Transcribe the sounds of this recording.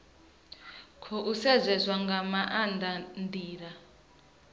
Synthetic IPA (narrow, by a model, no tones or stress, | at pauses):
kʰɔʔusɛzɛzwaŋɡamaʔandʱandʱiːɺa